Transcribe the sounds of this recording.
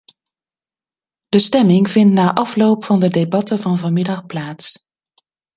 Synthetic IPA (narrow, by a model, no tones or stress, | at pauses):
d̥əstɛmɪŋvɪntnaːʔɑflowpfɑndədebɑtəvɑnvɑnmɪdɑχplaːts